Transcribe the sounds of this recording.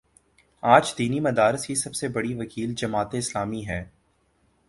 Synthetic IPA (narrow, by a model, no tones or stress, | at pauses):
aːd͡ʒd̪iːnimɐd̪aːɾɪskisɐbsebɐɽiʋɐkiːld͡ʒɐmaːt̪eɪslaːmiɦɛː